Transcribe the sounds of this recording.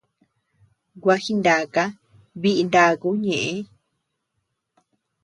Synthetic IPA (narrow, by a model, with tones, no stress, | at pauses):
ɡwʷa˧˦hi˦nd̪a˨ka˦ | βi˦ʔi˧nd̪a˧˨ku˦ɲẽ˨ʔẽ˦